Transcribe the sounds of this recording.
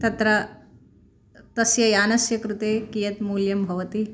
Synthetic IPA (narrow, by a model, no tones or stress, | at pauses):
t̪ɐt̪ɾɐ | t̪ɐsjɐjaːnɐsjɐkɾut̪eːkijɐt̪muːljɐmbʱɐʋɐt̪i